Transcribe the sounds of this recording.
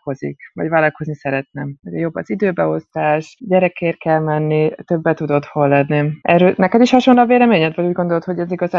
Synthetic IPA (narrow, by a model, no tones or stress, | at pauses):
ko̞zḭkvɒ̰ɟvaːlɒko̞znisɛɾɛt̪nɛmuɟɛjo̞bːɒzid̪øːbɛo̞st̪aːʃɟɛɾɛkeːrkɛlmɛnːit̪øbːɛt̪ːud̪o̞t̪ho̞lːɛnːiʔɛɾøːnɛkɛd̪iʃhɒʃonlɒveːlɛmeːɲɛt̪vɒɟuːɟɡond̪olt̪ho̞ɟɛziɡɒzaː